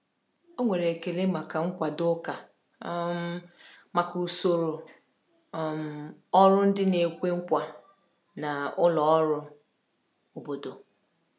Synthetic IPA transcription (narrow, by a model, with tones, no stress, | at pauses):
o˦ŋʷe˨ɾe˨ke˨le˦ma˨ka˨ŋ̩˦kʷa˨dʊ˦ka˨˦ | m˦ | ma˨ku˨so˦˨ɾo˨ | m̩˨ɔ˦ɾʊ˦n̩˦dɪ˦ne˨kʷe˦ŋ̩˦kʷa˨ | na˨ʊ˦lɔ˨ɔ˦ɾʊ˦ | o˨bo˨do˨